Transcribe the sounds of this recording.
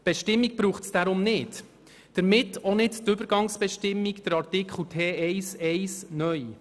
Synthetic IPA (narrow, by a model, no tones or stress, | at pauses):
b̥ɛʃtɪmːiɡ̚b̥ɾuːχtsd̥aɾʊmnɪːt | d̥əɾmɪtːonɪdtʏbəɾɡɑŋsb̥ɛʃtɪmːiɡd̥əɾɑɾtɪkχl̩tʰeːɛɪsɛjsnœj